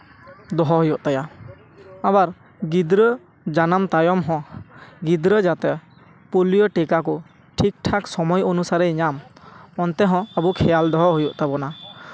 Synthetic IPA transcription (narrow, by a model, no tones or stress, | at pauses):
d̪ɔɦɔɦɔjɔʔt̪aja | abaɾ | ɡid̪ɾə | d͡ʒanamt̪ajɔmɦɔ̃ɡid̪ɾəd͡ʒat̪ɛ | pulijɔʈikakɔ | ʈʰik̚ʈʰaksɔmɔjɔnusaɾɛiɲamɔnt̪ɛɦɔ̃abukʰɛjald̪ɔɦɔɦujɔʔt̪abɔna